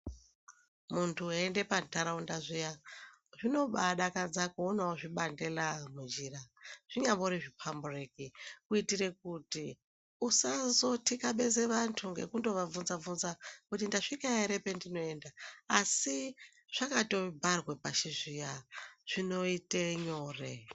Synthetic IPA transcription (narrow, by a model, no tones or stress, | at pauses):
muntʰuende̞pantaɾaundaʐijaʐino̞ɓaɗakad͡zakuonaoʐiɓande̞lamund͡ʒiːraʐ̥iɲamboɾiʐipʰamburekikuitire̞k̚uti | usazo̞tikaɓe̞zeʋantʰuŋɡe̞̰kundo̞ʋavunzavunzakutindaʂikaeɾe̞pe̞ndino̞e̞ːndaːsi | ʐ̥akato̞bʱarwepaʃiʐijaʐ̥ino̞iteɲo̞ːre